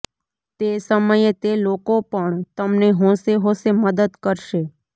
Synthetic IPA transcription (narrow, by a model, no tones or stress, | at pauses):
t̪esəməjet̪elokopəɳt̪əmneɦõseɦõseməd̪əd̪kəɾʃe